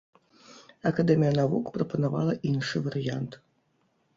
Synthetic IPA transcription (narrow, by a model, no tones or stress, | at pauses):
ɐkɐd̪ɛmʲijɐnavukpɾɐpɐnava̰lˠɐʔinʂɨvɐɾɨjant̪